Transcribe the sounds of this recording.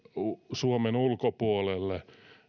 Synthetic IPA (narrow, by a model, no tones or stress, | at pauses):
usuomenulkopuolelːe